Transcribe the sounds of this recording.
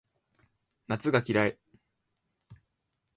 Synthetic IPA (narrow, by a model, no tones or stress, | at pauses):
nat͡sɨɡakʲiɾae